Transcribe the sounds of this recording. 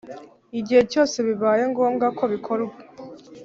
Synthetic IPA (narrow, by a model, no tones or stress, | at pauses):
iɟihe̞co̞ːse̞βiβaːje̞ŋɡo̞ːmɡakʰo̞βikʰo̞ɾue